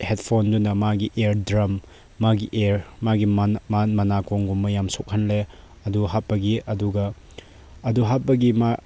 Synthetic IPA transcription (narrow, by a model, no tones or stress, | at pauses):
het̚pʰondunɐmaɡiʔeɾdɾɐmː | aɡiʔeɾmaɡimmɐnakoŋɡumːɐjamsok̚hɐnle | ɐduɦat̚pːɐɡiʔɐduɡɐ | ɐduɦat̚pːɐɡima